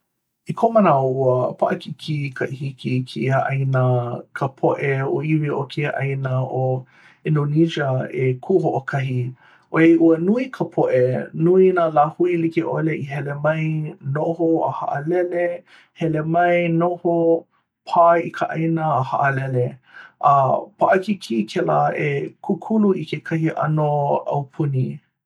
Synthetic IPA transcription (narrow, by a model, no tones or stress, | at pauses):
ikʰomənaouəpaʔəkikʰikʰɐʔihikikʰihaʔɐjnəkʰəpʰoʔeoiviokʰiaʔɐjnəo | inonid͡ʒəekʰuhoʔokʰɐɦi | ʔoeʔuənuikʰəpʰoʔenuinaːlaːhuilikiʔo̰leʔiɦɛlemɐjnohoə̰ha̰ʔəlɛle | hɛlemɐjnoho | pʰaikʰəʔɐ̰jnəːhaʔəlɛleʔɐpʰaʔɐkikʰikʰɛlaekʰukʰuluikekʰɐɦiʔɐ̰noɐ̰wpʰuni